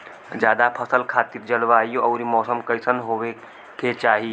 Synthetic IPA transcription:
d͡ʒjaːd̪apʰəsəlkʰaːt̪iːɾd͡ʒəlʋaːjoɐʊɾimɔːsəmkəjsənɦoʋe | ket͡ʃaːɦi

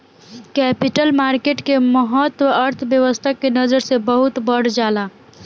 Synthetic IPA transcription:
kɛpiʈəlmaɾkeʈkeməɦət̪wəəɾt̪ʰbjəʋəst̪ʰakːenəd͡ʒəɾsebəɦut̪bəɽ̤d͡ʒala

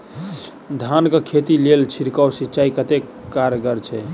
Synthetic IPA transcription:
d̪ʱankekʰet̪ilelt͡ʃʰiɾkawsit͡ʃaikət̪ekkːaɾɡəɾt͡ʃʰɛ

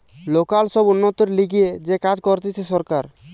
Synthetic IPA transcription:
lokalsɔbunːot̪oɾliɡied͡ʑekad͡ʑkɔɾt̪it͡ʃʰesɔɾkaɾ

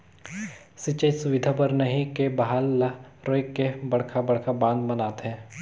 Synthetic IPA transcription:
sɪt͡ʃəjsʊʋɪd̪ʱapɐɾnəɦĩkebɐɦaːlːaɾoːɪkːebɐɽ̤kʰabɐɽ̤kʰabãːnd̪bɐnaːt̪ɦɛ̃ː

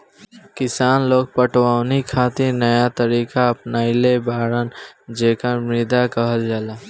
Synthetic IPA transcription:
kɪsaːnloːɡ̚pəʈwaːwnikʰaːt̪inəjat̪əɾiːkaəpnaːilebaːɾənd͡ʒeːkamɾɪd̪akəɦəld͡ʒaːlaː

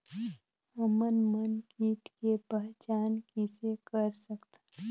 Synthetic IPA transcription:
əmənmənkiːʈkepəɦt͡ʃaːnkisekəɾsəkt̪a

